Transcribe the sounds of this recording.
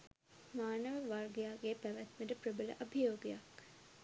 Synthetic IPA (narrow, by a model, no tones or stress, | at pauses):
maːnəʋəʋaɾɡjaːɡeːpæʋæt̪məʈəpɾəbələ̰ʔɐbʱijoːɡjak